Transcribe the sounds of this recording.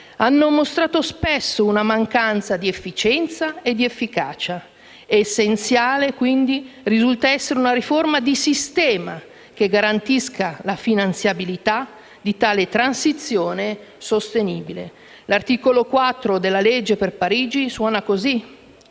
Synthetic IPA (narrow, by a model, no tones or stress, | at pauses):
anːomost̪ɾaːt̪ospɛsːounamaŋkant̪sad̪iefːit͡ʃɛnt̪saed̪ːiefːikaːt͡ʃaː | sːent̪sjaːlekwind̪irizult̪aɛsːeɾeunaɾiformad̪isist̪ɛːma | keɡaɾant̪iskʰalafinant̪sjabilit̪a | d̪it̪aːlet̪ɾansit̪sjoːnesost̪eniːbilḛ | lart̪iːkolokwat̪ːɾod̪elːaled͡ʒːeperpaɾiːd͡ʒiswɔːnakozi